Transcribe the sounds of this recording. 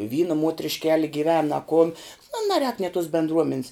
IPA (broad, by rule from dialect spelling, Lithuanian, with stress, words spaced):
ˈʋʲiːnɐ muɔtʲrʲɪʃʲˈkʲæːlʲɪ ɡʲɪˈʋʲɛn ɐ kʊn ˈnʊ nɐˈrʲɛːk nʲeː toːs bʲɛndˈruɔmʲɛnʲs